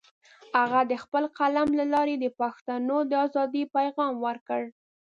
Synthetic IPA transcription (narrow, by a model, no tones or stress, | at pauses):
haɣad̪əxpəlqalamlalɑɾed̪əpaxt̪anod̪əɑzɑd̪ipajɣɑmwəɾkəɽ